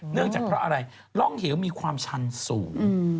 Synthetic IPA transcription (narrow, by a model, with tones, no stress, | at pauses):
nɯ˥˩əŋaː˨˩kpɾɔ˦˥ʔa˧ɾa˧j | lɔ˥˩ŋhi˨˩˦wmiː˧kʰwaː˧mt͡ɕʰa˧nsuː˩˦ŋ˧